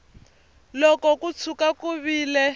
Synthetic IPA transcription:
lɔkɔkut͡sʰukakuβiːlɛ

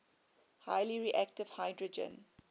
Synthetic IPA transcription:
haɪliɹiʔæk̚tɪv̥haɪdɹɔd͡ʒə̰̃n

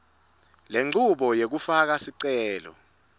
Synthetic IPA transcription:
leŋ͡ǀʱuɓɔjek̬ufak̬asiǀɛːlɔ̰

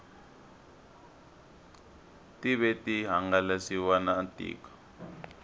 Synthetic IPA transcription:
tiβɛtiɦaŋɡalasiwanaːntḭːkḁ

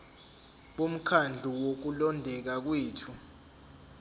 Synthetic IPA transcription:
ɓum̩kʰand͡ɮʱuwok̬ulɔndʱɛk̬ak̬weːtʰu

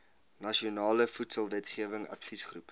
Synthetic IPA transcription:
nɐʃionɑːləfutsəlˠvɛtχiəvəŋɐ̰tfisχrup

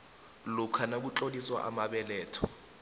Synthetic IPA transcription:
lukʰanak̬ut͡ɬoliswa̰ʔa̰maɓɛlɛːtʰɔ

